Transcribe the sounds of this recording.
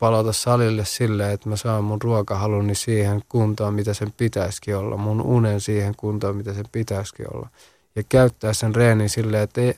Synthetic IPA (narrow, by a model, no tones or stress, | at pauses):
pɑlot̪ɑssɑlilːessilːeːet̪mæsɑimmunruokɑhɑlunːisiːheŋkunt̪oːmit̪æsempit̪æiskiolːɑ̰mmununensiːheŋkunt̪oːmit̪æsempit̪æiskḭo̰lːɑ̰ | jɑkæyt̪ːæːssenreːninsilːeːet̪ːei